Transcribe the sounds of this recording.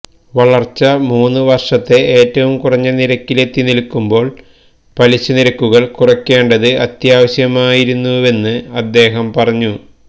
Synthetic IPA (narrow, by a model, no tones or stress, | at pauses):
ʋɐɭɐrt͡ɕːɐmuːnːɨʋɐrʂɐt̪ːe̞ʔeːtːɐʋumkurɐɲːɐniɾɐkːile̞t̪ːinilkːumbo̞ːɭ | pɐliɕːɐniɾɐkːuɣɐɭkurɐkːeːɳɖɐðɨɐt̪jaːʋɐɕjɐmaːjiɾunːue̞nːɨɐd̪ːe̞ːɦɐmpɐrɐɲːu